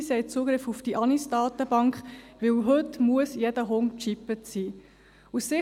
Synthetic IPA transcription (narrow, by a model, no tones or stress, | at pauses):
sɛɪt͡suːɡɾɪfufd̥iʔɑnisd̥ɑːt̪əbɑŋkχʋɪlɦɵtmuəsjɛd̥əɦoŋt͡ʃipət͡siː | usːɪ